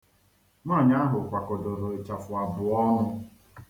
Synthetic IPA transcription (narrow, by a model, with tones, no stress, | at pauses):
ŋʷa˦˨ɲa˦ɦʊ˨kʷa˨kʊ˨dʊ˨ɾʊ˨e˨t͡ʃa˨fʊ˨a˨bʊ˨ɔ˦nʊ˦